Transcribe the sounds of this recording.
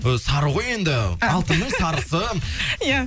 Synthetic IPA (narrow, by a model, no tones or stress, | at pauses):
sɑɾəʁo̞je̞nd̪ɪɑlˠt̪ənnəɴsɑɾəsəja